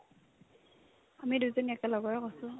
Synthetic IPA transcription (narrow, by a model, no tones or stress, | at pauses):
amidujzɔniɛkɛlɔɡɔɹɛkɔsʊ